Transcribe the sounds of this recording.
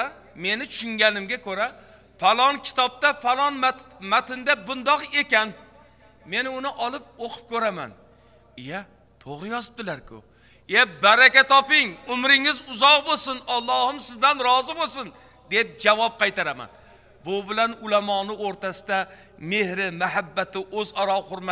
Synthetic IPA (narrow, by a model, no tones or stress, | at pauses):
me̞nɪt͡ʃʰʊ̥ʃʊŋɡʲanɪmɡʲakʰɵɾa | falˠɒŋkʲʰɪ̥t̪ʰɒp̚t̪afalˠɒnmat̪ɪnd̪abʊnd̪ɒqe̞kʲan | me̞nɪʊnɪʔɒlˠɪp̚oqʰʊ̥p̚kʲʰɵɾama̰n | ja | t̪ʰoʁɨjɒzɪp̚t̪ɪlaɾkʰʊ̰ | ebaɾakʲat̪ɒpɪŋʊmɾɪŋɪzʊzɒʁbosʊnɑlˠːɒhɪmsɪzd̪anɾɒzɪbosʊn | d̪ep̚d͡ʒavɒp̚qʰɑjt̪aɾama̰n | bʊbɪlanʊlamɒːnɪoɾt̪ʰasɪ̥d̪a | me̞hɾɪmaɦabːat̪ʰɪʔɵzɒɾɒχʊɾma